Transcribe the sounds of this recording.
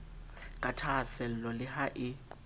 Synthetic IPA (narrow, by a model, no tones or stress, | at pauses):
kʼatʰasɛl̩lɔlɪhaʔɪ